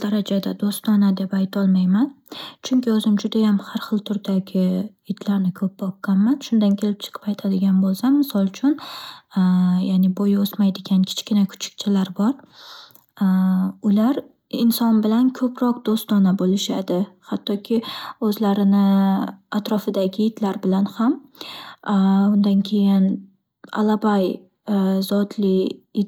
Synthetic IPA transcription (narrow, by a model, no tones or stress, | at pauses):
d̪aɾad͡ʒad̪ad̪ost̪ɒnad̪e̞pajt̪ʰɒlˠmajman | t͡ʃʰʊŋkʲɪɵzɪmd͡ʒʊd̪ajamhaɾχɨlˠt̪ʰʊɾd̪aɡʲɪ | ɪd̪laɾnɪkʰɵp̚bɒp̚kɑnmanʃʊnd̪ankʲʰe̞lɪp̚t͡ʃʰɨ̥qʰɨ̥pajt̪ʰad̪ɪɡʲanbolˠsamːɪsɒlˠt͡ʃʰʊn | jaːnɪbojosmajd̪ɪɡʲankʲʰɪ̥t͡ʃkʲɪnakʰʊ̥t͡ʃʰɪ̥k̚ʲt͡ʃʰɪlaɾbɒɾ | ʊlaɾ | ɪnsɒnbɪlankʰɵpʰɾɒq̚d̪̥ost̪ɒnabolɪʃad̪ɪhat̪ʰːɒkʲʰɪɵzlaɾɪnɪat̪ɾɒfɪd̪aɡʲɪjɪd̪laɾbɪlanham | ʊnd̪ankʲʰe̞jɪn | a̰labaj | zɒt̪ʰlɪ